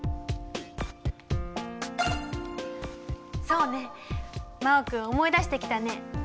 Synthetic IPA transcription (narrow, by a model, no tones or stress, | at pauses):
so̞ːne̞ | maokɯ̟omo̞id̪aɕi̥t̪e̞kʲi̥t̪ane̞